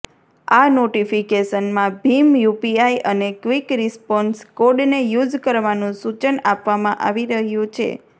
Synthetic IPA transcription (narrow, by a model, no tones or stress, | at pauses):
anoʈifikeʃənmãbʱimjupiaiʔənekʋikɾispɔnskoɖnejud͡ʒkəɾʋanũsut͡ʃənapʋamãʔaʋiɾəɦjũt͡ʃʰḛ